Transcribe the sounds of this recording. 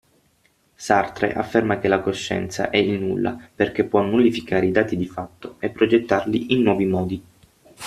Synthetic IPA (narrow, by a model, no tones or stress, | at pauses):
sart̪ɾḛʔa̰fːermak̟elakoʃːɛ̰nt̪sa̰ʔɛilnulːa̰perk̟epːwɔnːulifikaːɾeid̪aːt̪id̪ifat̪ːoepːɾod͡ʒet̪ːarliʔinːwɔːvimɔːd̪i